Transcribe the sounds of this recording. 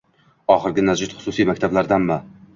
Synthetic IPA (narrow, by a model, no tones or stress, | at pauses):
ɒχɨɾɡʲɪnazd͡ʒɪt̪χʊ̥sʊsijmakʲt̪ʰablaɾd̪anma